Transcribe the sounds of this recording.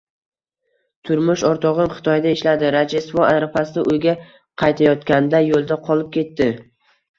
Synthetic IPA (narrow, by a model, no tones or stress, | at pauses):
t̪ʰʊɾmʊʃɒɾt̪ʰɒʁɨmχɨ̥t̪ʰɒjd̪aɪʃlad̪ɪɾad͡ʒesvɒaɾafasɪɪʔojɡʲa | qʰɑjt̪ʰajɒt̪kʲand̪ajolˠd̪aqʰɒlˠɪp̚kʲe̞t̪ːɪ